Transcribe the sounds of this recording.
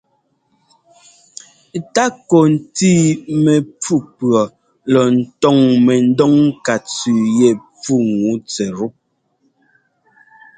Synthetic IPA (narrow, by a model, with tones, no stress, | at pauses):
ta˦ko˨n̩˨ti˦mɛ˨p͡fu˦pɰɔ˨ | lɔ˨n̩˨tɔ˦˨ŋmɛ˨n̩˦dɔ˦ŋ˦ka˨t͡sʉ˨jɛ˦˨p͡fu˦ŋu˨˦t͡sɛ˨ɾu˦